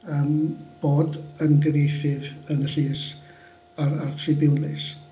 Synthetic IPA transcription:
əːmb̥oːdənɡɾeθɨvənər̥ɨːs | aɾartʰɨbɪwnlɨs

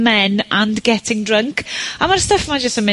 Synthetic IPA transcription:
mɛnãnɡɛtʰɪ̃ŋdɹəŋkʰamarstəfmad͡ʒəstəmɪ

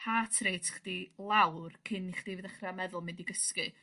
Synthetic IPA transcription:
hʰatʰrejtʰχd̥ilˠawrkʰɪnːiχd̥ivɨðəχramɛðʊlˠmɪndiɡəskɨ

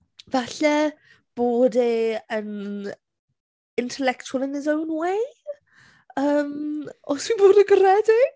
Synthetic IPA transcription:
vaɬɛ | b̥oːdeən | ɪntʰɛlɛktʰualˠənɪzɛwnwe | əːmɔswɪboːdəɡəɾɛdi

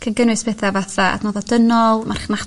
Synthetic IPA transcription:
kʰənɡənwɨsb̥ʰeθavaθaa̰tnɔðɔdənɔlˠmarχna

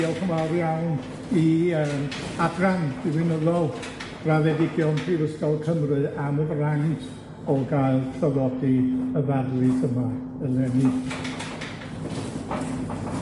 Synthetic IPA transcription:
ɔlkʰəmawrjawn | iəmabraŋdiwɨnəðɔlˠ | raðɛdɪɡjɔnpʰrivəskɔwkʰəmrɨaməvraŋ | ɔɡajlˠpʰraðɔdiəvarlˠitʰəma | əlɛni

